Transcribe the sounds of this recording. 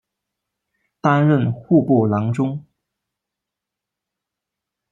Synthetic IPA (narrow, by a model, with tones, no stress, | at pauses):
t̪a˥nɻə˥˨nxu˥˧pu˥˩lɑ˧˥ŋʈ͡ʂʊ˥ŋ